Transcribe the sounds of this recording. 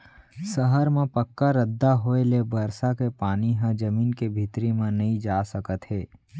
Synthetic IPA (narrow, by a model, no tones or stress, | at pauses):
səɦəɾmẽpəkːaɾəd̪ːaɦoelebəɾsakepaːniɦãd͡ʒəmiːnkebʱit̪ɾimẽnɐɦĩd͡ʒaːsəkət̪ɦeː